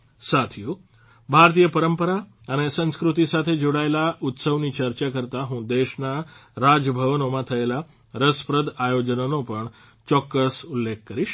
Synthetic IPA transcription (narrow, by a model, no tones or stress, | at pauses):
sat̪ʰju | bʱaɾt̪ijəpəɾəmpəɾa | ənesə̃skɾut̪isat̪ʰed͡ʒoɽaelaʔut̪səʋnit͡ɕəɾt͡ʃakəɾt̪aɦũːd̪eʃnaɾad͡ʒəbʱəʋnomãt̪ʰəela | ɾəspɾəd̪ʱajod͡ʒənonopəɳ | t͡ʃɔkːəsulːek̚ʰkəɾiʃ